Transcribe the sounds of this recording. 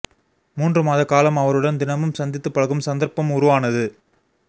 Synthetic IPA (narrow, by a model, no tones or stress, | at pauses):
muːndrɯmaːðɐkːaːlɐmɐʋɐɾɯɽɐnd̪ɪnɐmɯmsɐnd̪ɪt̪ːɯpːɐɭɐɣɯmsɐnd̪ɐɾpɐmʊɾʊʋaːnɐðɯ